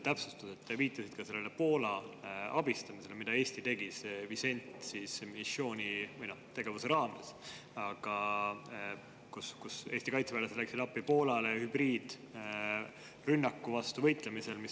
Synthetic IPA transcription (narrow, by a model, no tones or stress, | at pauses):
t̪æpsust̪use̞t̪ːˑviːt̪ːˑɑsid̪̥̚kɑse̞lːe̞le̞po̞ːlɑɑb̥ist̪ɑmise̞lemid̪̥ɑe̞ːsʲt̪it̪e̞ɡ̥isevise̞nʲt̪ˑsiːsmisjo̞ːnʲivɯjnot̪e̞ɡ̥e̞vuse̞ɾɑːmḛs | ɑɡ̥ɑ | kuskuse̞ːst̪ikɑjt̪seæːlesed̪læksid̪̥ɑpːipo̞ːlɑlehyb̥riːd̪̥ | rynːɑkːuvɑst̪uvɤjt̪ˑle̞mise̞lmis